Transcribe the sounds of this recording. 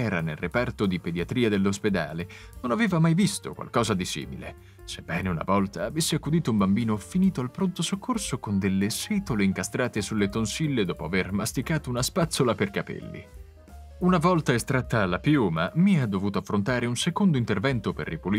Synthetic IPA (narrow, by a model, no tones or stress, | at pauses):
ɛːɾanelrepart̪od̪iped̪iat̪ɾiːad̪elːosped̪a̰ːlenonaveːvamajvist̪o̰kwa̰lkɔːzad̪isḭːmḭlḛ | sebːɛːneuna̰vɔlt̪aːvesːeakːud̪iːt̪oumbambiːnofiniːt̪oalpɾont̪osokːorsokond̪elːesiːt̪oleiŋkast̪ɾaːt̪esulːet̪onsilːed̪ɔːpoavermast̪ikaːt̪ounaspat̪sːolaperkapɛ̰lːḭ | unavɔlt̪aest̪ɾat̪ːaːlːapjuːmamiad̪ːovuːt̪oafːɾont̪aːɾeunsekond̪oint̪ervɛnt̪operːipuli